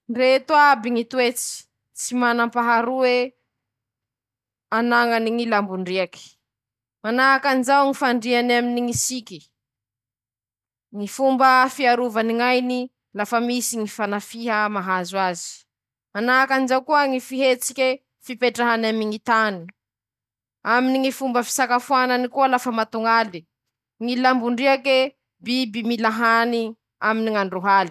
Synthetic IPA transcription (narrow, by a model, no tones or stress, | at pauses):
nret̪uabiŋit̪uet͡si̥ | t͡simanampaɦaɾuwe | anaŋaniŋilambuɳɖ͡ʐiaki̥ | manaakanizawŋifaɳɖ͡ʐianaminiŋisikʲi | ŋifumbəfiaɾuvaniŋajni | lafəmisiŋifanafiɦamaɦazwazi̥ | anaakanizawkuəŋifiɦet͡sikʲe | fipeʈ͡ʂaɦanamiŋit̪ani | aminiŋifumbəfi̥sakafuananikuəlafəmat̪uŋali | ŋilambuɳɖ͡ʐiake | bibimilaɦani | aminiŋaɳɖ͡ʐoɦali̥